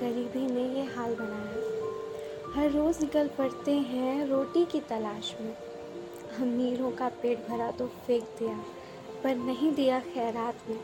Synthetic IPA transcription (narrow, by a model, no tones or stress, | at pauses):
ɡɐɾiːbʱinẽjeɦaːlbɐnaːjaː | hɐɾːoːznɪkəlpɐɽt̪eɦɛ̃ɾoːʈikit̪ɐlaːʃmẽ | ɦɐ̃miːɾõkapeːʈ̚bʱɐɾat̪ofeːk̚d̪ija | pɐɾnɐɦĩd̪ijaxɛːɾaːt̪mẽː